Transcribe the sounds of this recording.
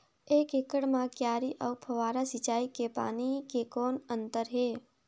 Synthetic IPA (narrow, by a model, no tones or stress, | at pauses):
eːkekəɽmãkjaːɾiʔəwpʰəʋaːɾasit͡ʃaːikepa̰ːnikekoːnənt̪əɾɦeː